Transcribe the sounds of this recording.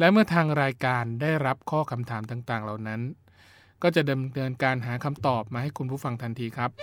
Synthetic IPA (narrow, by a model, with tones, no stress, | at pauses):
lɛ˦˥mɯ˥˩ɐt̪ʰaː˧ŋɾaː˧jkaː˧ndaː˥˩jɾa˦˥p̚kʰɔː˥˩kʰa˧mt̪ʰaː˩˦mt̪aː˨˩ŋt̪aː˨˩ŋla˨˩wna˦˥n | kɔː˥˩t͡ɕa˨˩ʔda˧mtɤː˧nkaː˧nɦaː˩˦kʰa˧mt̪ɔː˨˩p̚maː˧ha˥˩jkʰu˧npʰuː˥˩fa˧ŋt̪ʰa˧nt̪ʰiː˧kʰɾa˦˥p̚